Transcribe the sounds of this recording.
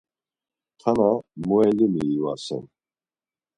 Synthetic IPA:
t̪ʰanamuɛlimiːvasɛ̰n

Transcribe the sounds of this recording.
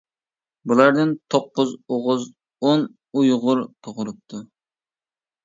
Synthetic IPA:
bulˠɑɾd̪ɨnt̪ʰop̚qːʊzoʁʊz | on | ujʁʊɾt̪ʰoʁʊɾup̚t̪ʰu

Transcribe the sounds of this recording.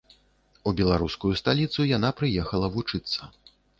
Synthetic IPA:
ubʲɛlˠaɾuskujust̪alʲit̪sujanapɾɨjɛxɐlˠɐvut͡ʂɨt̪sːɐ

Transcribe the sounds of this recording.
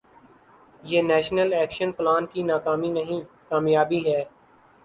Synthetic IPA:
jeːnɛːʃnəlɛːkʃənplaːnkinaːkaːminɐɦĩkaːmjaːbiɦɛː

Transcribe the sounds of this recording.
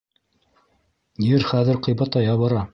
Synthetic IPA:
jɘɾχæðɘ̆ɾqɤ̆jbɑt̪ɑjɑβɤ̆ɾɑ

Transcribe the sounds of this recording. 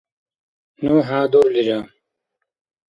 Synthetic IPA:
nuːɦaːd̪oɾlid͡ʑaː

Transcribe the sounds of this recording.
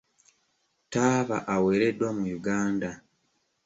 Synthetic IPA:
taːβa̰ʔawe̞ːɾe̞dwamujuɡaːnda

